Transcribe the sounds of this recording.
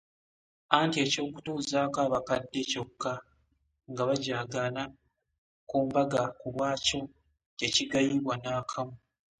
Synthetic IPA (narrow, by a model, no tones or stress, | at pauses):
antie̞ːco̞ːku̥tuːzaːkaːβakadːe̞co̞kːa | ŋɡaβaɟaːɡala | kuːmbaɡakulwaːco̞ | te̞ciɡajiβwanaːkʰamu